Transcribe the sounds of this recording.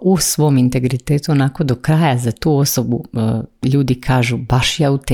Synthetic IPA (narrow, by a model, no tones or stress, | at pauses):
usʋo̞mint̪e̞ɡɾit̪eːt̪uonako̞d̪o̞kɾaːjazat̪uːo̞sobuʎuːd̪ikʰaːʒubaʃjaut̪e